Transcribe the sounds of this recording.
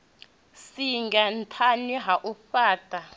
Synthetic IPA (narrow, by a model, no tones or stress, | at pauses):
siŋɡan̩tʰanɛɦaʔufaːtʼa